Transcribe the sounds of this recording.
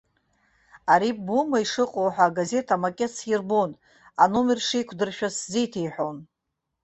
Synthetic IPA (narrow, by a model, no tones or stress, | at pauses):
aɾibumaiʂɨqʼowħʷaːɡaze̞tʰamakʲʼet͡sʰjirbon | anomerʂiːkʷʰdɨrʃᶣaszijtʰejħʷᶣon